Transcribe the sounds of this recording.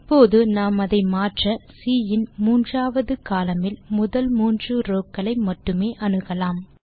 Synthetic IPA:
pːoːðɯnaːmɐðɐɪmaːʈrɐsiːjɪnmuːndraːʋɐðɯkaːlɐmɪlmʊðɐlmuːndrɯɾoːkːɐɭɐɪmɐʈːɯmeːʔɐnɯɣɐlaːm

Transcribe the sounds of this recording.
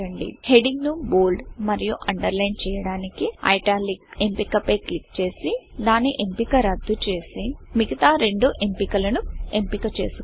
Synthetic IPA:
ɐɳɖḭhe̞ɖiŋɡnuboːlɖmɐɾijuʔɐɳɖɐɾlɐjnt͡ʃɛːjɐɽaːnikiɐ̰jʈaːlikempikɐpeːklikt͡ʃeːsid̪aːnːiʔe̞mpikɐɾɐd̪ʱːut͡ʃe̞ːsimiɡɐt̪aːɾe̞ɳɖuʔempikɐlɐnue̞mpikɐt͡ʃe̞̰ːsu

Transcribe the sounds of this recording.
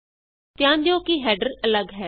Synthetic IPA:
t̪ɪjãːnd̪jõːkiɦɛːɖəɾələɡɦɛː

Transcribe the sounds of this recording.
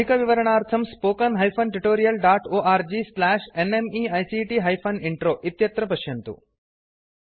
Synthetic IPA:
ikɐʋiʋɐɾəɳ̃aːɾt̪ʰɐmspoːkɐnɦɐjpʰɐnʈuʈoːɾijɐlɖaːʈoːʔaːɾd͡ʒislɛːʃenemiajsiʈiɦajpʰɐnɪɳʈɾoːʔit̪jɐt̪ɾɐp̬ɐʃjɐnt̪ṵ

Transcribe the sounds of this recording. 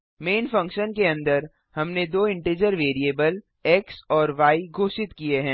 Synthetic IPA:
meːnfɐ̃ŋkʃənkeɐ̃nd̪əɾ | hɐmned̪oːɪ̃ɳʈeːd͡ʒəɾʋeːɾieːbəl | ɛksɔːɾʋaːiɡʱoːʃɪt̪kieɦɛ̃ː

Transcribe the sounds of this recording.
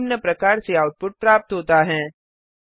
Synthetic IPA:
mnjəpɾɐkaːɾseaːʊʈ̚pʊʈ̚pɾaːp̚t̪ɦoːt̪aɦɛ̃ː

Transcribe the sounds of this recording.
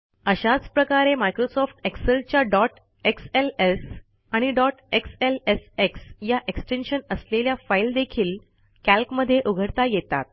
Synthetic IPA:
əɕat͡spɾəkaɾemajkɾosɔfʈeksəlt͡ɕjaɖɔʈ | ekseles | aɽ̃iɖɔʈekseleseksjaʔeksʈenɕənəsleljafaild̪ekʰiːl | kælkməd̪ʱːjeʔuɡʱəɽt̪ajet̪a̰t̪̚

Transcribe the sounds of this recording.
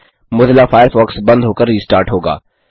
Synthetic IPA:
mʊd̪lafʰaːɪɾfɔːksbɐ̃nd̪ɦoːkəɾːiːsʈaːɾʈɦoːɡa̰ː

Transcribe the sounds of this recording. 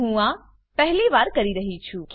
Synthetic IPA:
ɦũa | pɛɦliʋaːɾkɐɾiɾəɦit͡ʃʰũk

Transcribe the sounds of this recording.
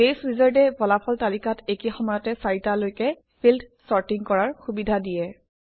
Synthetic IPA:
esɹizaɹdɛbɔlapʰɔltalikatekixɔmajɔtɛsaɹitalojkɛ | pʰildsɔɹtiŋkɔɹaɹxubidʱadijɛ

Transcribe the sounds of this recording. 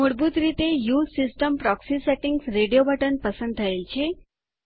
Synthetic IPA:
muɽbuːt̪ɾit̪ejuːssisʈəmpɾɔksiseʈiŋɡsɾeɽijobəʈənpəsənd̪aelt͡ɕʰe

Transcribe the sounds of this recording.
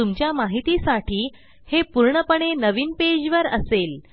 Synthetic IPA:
umt͡ɕjamaɦit̪isaʈʰiː | hepuɾɳəpəɳ̃enəʋiːnped͡ʑʋəɾə̰sel

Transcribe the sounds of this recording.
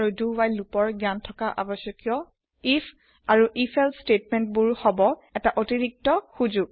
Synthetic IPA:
aɹudubajlupɔɹɡjantʰɔkaʔa̰bɔsjɔkjɔ | ifʰ | aɹuʔifʰɛlstetmɛnt̚buɹhɔbɔɛtaʔotiɹik̚tɔxuzuɡ̚

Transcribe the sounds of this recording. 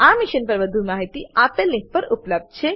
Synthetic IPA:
amiʃənpəɾʋəd̪ʱumaɦit̪iapelːĩk̚pəɾupləb̚d̪̚t͡ʃʰe

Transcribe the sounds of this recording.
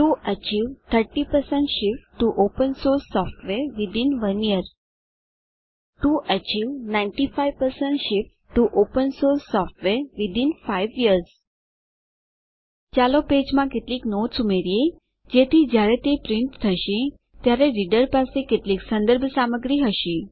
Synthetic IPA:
ʈuət͡ʃiʋt̪ʰəɾʈipəɾsə̃ɳʈʃɪpʈuʔopənsoɾsːɔfʈʋeɾʋɪd̪inʋəniəɾ | ʈuʔət͡ʃiʋnãɪɳʈifaiʋpəɾsə̃ɳʈʃɪp | ʈuʔopənsoɾsːɔfʈʋeɾʋɪd̪infaiʋiəɾz | t͡ʃaloped͡ʒmãkeʈliːknotsumeɾije | d͡ʒet̪ʰid͡ʒjaɾet̪epɾɪɳʈt̪ʰəʃe | t̪jaɾeɾiɖəɾpasekeʈliksə̃nd̪əɾbʱsaməɡɾiɦəʃĩ

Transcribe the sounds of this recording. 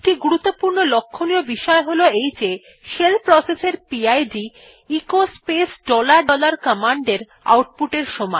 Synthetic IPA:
eʈiɡuɾut̪ːopuɾnolokʰːoniobiʃɔeɦoloejd͡ʑe | ʃelpɾɔseseɾpiajɖi | ikospesɖɔlaɾɖɔlaɾkamaɳɖeɾ | a̰wʈ̚puʈeɾʃɔmɔe

